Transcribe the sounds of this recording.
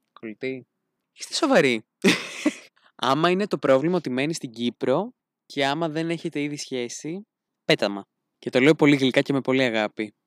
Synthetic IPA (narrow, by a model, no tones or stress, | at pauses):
kolt̪i | i̥st̪eso̞vɐɾi | ɐmɐine̞t̪o̞pɾo̞vlimɐot̪ime̞nist̪iɟipɾo̞ | cʰe̞ɐmɐðe̞ne̞çe̞t̪e̞iðisçe̞si | pe̞t̪ɐmɐ | ce̞t̪o̞le̞opo̞liɣlikɐce̞me̞po̞liɐɣɐpi